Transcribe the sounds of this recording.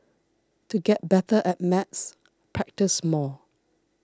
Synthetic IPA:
tuɡɛt̚bɛtəʔɛt̚mɛts | pʰɹɛk̚tɪsmɔ

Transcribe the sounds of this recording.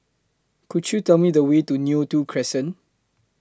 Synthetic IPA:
kutjutɛlmidəwetunjutukʰɹɛsə̃n

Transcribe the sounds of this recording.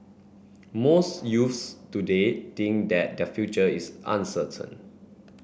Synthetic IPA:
mosjufstudet̪ĩŋkdɛt̚dɛfjut͡ʃəisʔã̰nsətʰə̰̃n

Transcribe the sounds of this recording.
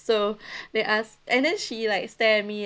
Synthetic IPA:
sodeʔasʔɛ̃ndɛ̃nʃilaɪk̚stɛmi

